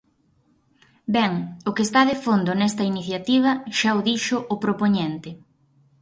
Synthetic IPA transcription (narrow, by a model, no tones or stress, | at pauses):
bɛŋʊkest̪aðefond̪ʊnɛst̪ɐiniθjat̪iβ̞ɐʃaoðiʃʊʔʊpɾopoɲent̪ɪ